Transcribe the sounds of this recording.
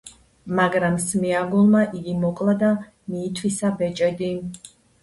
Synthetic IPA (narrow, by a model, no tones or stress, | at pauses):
maɡɾamsmiaɡulˠmaʔiɡimɔkʼlˠad̪a | miːt̪ʰwisabɛt͡ʃʼɛd̪i